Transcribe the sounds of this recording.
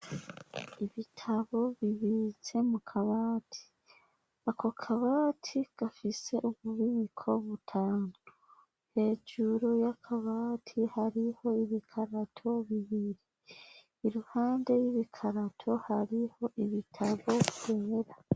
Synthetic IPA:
iβitʰaβo̞βiβize̞mukʰaβaːtʰi̥ | akʰo̞kʰaβaːtʰiɡ̥afise̞ʔuβuβiβikʰo̞βutʰaːnu | he̞ːd͡ʒuɾojakʰaβaːtʰihaɾiho̞iβikʰaɾatʰo̞βiβiɾiː | ɾuhaːnde̞jiβikʰaɾatʰo̞haɾiho̞ʔiβitʰaβo̞uheɾa

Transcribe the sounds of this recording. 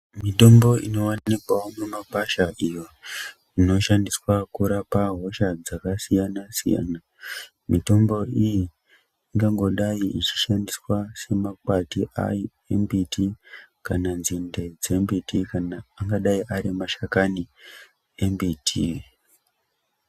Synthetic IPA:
mito̞mbo̞ḭno̞wanikwaomumapaʃaʔijo̞ | ino̞ʃandiswakuɾapaɦo̞ʃad͡zakasijanasḭja̰na | mito̞mbo̞ijiː | ŋɡaŋɡo̞ɗaiit͡ʃi̥ʃandiswase̞makwatiʔa̰ji | embitikananzinde̞d͡ze̞mbitikanaːŋɡaɗaiʔaɾimaʃakani | embitʰi

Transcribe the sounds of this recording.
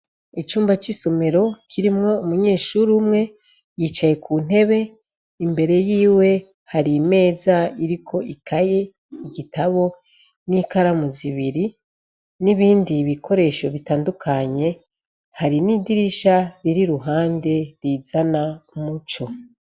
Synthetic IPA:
it͡ʃuːmbat͡ʃiso̞me̞ɾo̞kʰiɾimŋo̞umuɲe̞ːʃuɾumŋe̞ | jiːt͡ʃaje̞kʰun̥e̞βe̞ | imbe̞ɾe̞jiːwe̞ | haɾime̞ːzaiɾikʰo̞ʔikʰaje̞ | iɡitaβo̞ | nikaɾamuziβiɾi | niβiːndiβikʰo̞ɾe̞ʃo̞βitaːndukʰaɲe̞ | haɾinidiɾiʃaɾiɾiɾuɦaːnde̞ɾizanamut͡ʃo̞

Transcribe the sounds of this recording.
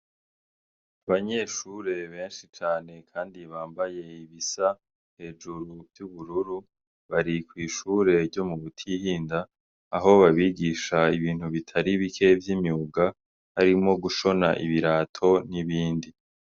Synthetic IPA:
aβaɲe̞ʃuɾe̞βe̞ːnʃit͡ʃaːne̞kʰaːndiβaːmbaje̞iβisa | he̞ːd͡ʒuɾuvjuβuɾuɾu | βaɾikwiːʃuːɾe̞ɾɟo̞muβutʰihiːndaː | ɦo̞βaβiɡiʃaiβiːn̥huβitʰaɾiβikʰe̞vjimjuːɡa | haɾimo̞ɡuʃo̞na̰ʔiβiɾaːtʰo̞niβiːndi

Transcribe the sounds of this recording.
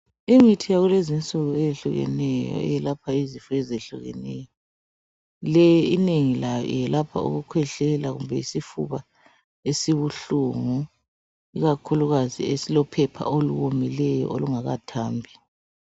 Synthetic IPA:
iŋitʰijaɣulezint͡sʼuɣuejeɬuɣɛ̰nɛjɔ̰ɛ̰jɛlapʰaizifuezeɬṵɣɛ̰nɛ̰jɔ | lɛjineŋilajɔ̰ḭjɛlapʰa̰ṵɣukʰwɛɬɛlaɣṵmbʱɛisifṵβa | esiβuɬuŋu | iɣakʰuluɣazḭesilɔpʰɛpʰa̰oluwomilɛjɔ̰ʔoluŋaɣa̰tʰaːmbʱi

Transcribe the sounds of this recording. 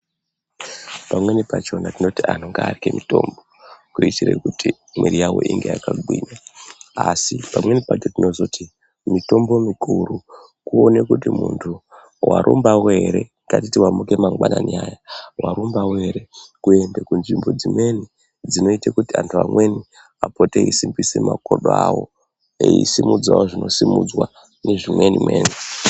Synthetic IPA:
pamwe̞nipat͡ʃo̞natino̞tian̤oŋɡaːrikemito̞ːmbo̞ | kuitire̞̰kuti | mweɾijawo̞̰ʔiŋɡe̞̰jakaɡwiːɲaasipamwe̞nipat͡ʃo̞tino̞zo̞ti | mito̞mbo̞mikuɾu | kuonekutimṵntʰu | wʔa̰ɾʔṵmbaweɾe̞ | katitiwamuke̞maŋɡwananiaːjawaɾumbawe̞ɾe̞kue̞ndekunʐimbo̞d͡zimwe̞ni | d͡zino̞itakutiantʰuamwe̞ni | apoteisimbisemakoɗoawo̞ | eḭsimud͡zawoʐino̞simṵd͡zwa | neʐimwenimwḛːne

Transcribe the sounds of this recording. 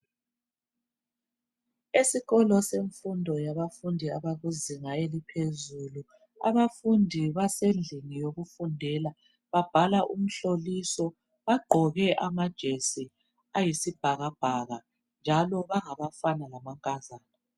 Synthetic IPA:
esiɣɔlɔseɱfundʱɔjaβafundʱiaβaɣuziŋaelipʰezulu | a̰βafundʱiβasend͡ɮʱinijoɣufundʱɛla | βab̥ʱalaʔum̩ɬolisɔ | βaɡ͡ǃʱɔɣɛʔamad̥ʒ̥ʱesi | ajisib̥ʱaɣab̥ʱaɣa | nd͡ʒʱalɔβaŋaβafanalamaŋkʼazaːnɔ

